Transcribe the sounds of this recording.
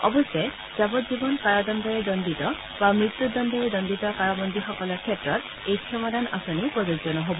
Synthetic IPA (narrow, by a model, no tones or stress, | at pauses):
ɔ̰bɔsɛ | zabɔtzibɔnkaɹɔdɔndɔɹɛdɔnditɔ | bamɹit̪ːud̪ɔndɔɹɛdɔnditɔkaɹɔbɔnd̪ʱixɔkɔlɔɹkʰiɛtɹɔt̪̚ | ejkʰɔmɔdana̰sɔnipɹɔoɡzɔnɔɦobɔ